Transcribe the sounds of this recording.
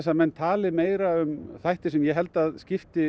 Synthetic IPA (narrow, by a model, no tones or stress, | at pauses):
s̬ːamɛnːt̪ʰaːlɪmeːjɾaʏmθajht̪ɪsɛmjɛɦɛlt̪aðscɪft̪ɪ